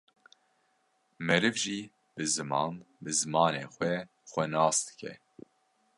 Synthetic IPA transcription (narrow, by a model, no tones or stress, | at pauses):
mɛɾɨvʒiː | b̥ɨzɨmɑ̰ːnbɨzɨmɑːneːxʷɛ | xʷɛnɑːsd̪ɨ̥kʰɛ̰